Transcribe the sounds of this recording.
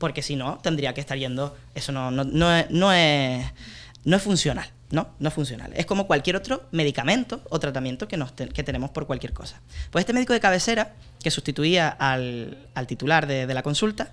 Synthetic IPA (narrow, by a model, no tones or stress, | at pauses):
po̞ɾke̞sino̞t̪e̞nd̪ɾiakeht̪aɾje̞nd̪o̞ | e̞sono̞nonoesno̞e̞s | noefunsjo̞nal | no̞noe̞sfuns̬jona̰le̞hko̞mo̞kwalkje̞ɾot̪ɾo̞me̞ð̞ikamẽnt̪o̞ot̪ɾat̪amje̞nt̪okenost̪ke̞t̪e̞ne̞mo̞spo̞ɾkwalkje̞ɾko̞̰sḁpweset̪emeðiko̞ðe̞kaβe̞se̞ɾa | ke̞sust̪it̪uiaʔal | alt̪it̪ulaɾðe̞ðe̞lako̞nsult̪a